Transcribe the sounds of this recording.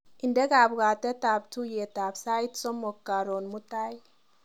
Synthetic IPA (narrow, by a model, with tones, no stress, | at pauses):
ʔɪ˨nde˦ka˨bɡa˨t̪ɛ˦ta˨btu˦je˨t̪a˨bsa˦jt̪sɔ˦mɔ˨kːa˨ɾo˨nmu˦t̪ːa˦j